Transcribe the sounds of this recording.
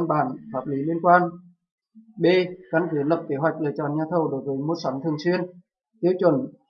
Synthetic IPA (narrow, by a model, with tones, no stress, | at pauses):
nɓa̰ː˧˩nfaː˧˩p̚li˨˦li˧ənkwaː˧n | ɓe˧ka˧nkɨ˨˦lə˨˩p̚ke˨˦ɦwa˨˩jk̚lə̰˧˨˩t͡ɕɔ˧˨˩nɲaː˧t̪ʰə˧˩wɗo˨˦jvəː˨˦jmo˨˩t̚sa˨˦ŋt̪ʰɨ˨˩əŋswi˧ən | t̪i˧əwt͡ɕwə˧˩n